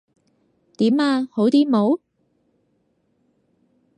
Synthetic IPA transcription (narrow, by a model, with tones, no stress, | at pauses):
t̪iː˨˥maː˧ho˨˥wt̪iː˥mo˨˥w